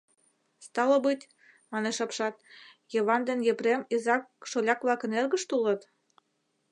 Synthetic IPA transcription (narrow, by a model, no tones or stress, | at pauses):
st̪ɑlobɯt̪ʲ | mɑneʃɑpʃɑt̪̚jɤβɑnd̪enjepremizɑkʃolʲɑkβlɑkə̆nerɣə̆ʃt̪ulɤ̆t̪